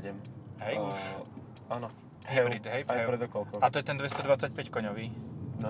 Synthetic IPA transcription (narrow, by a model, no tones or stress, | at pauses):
ɟɛmɦɛjuʃ | anɔ | ɦɛɾid̪ɦɛjppɾɛd̪ɔkɔlkɔat̪ɔjɛt̪ɛnd̪ʋɛst̪ɔd̪ʋat͡sac̚pɛckɔɲɔʋiːn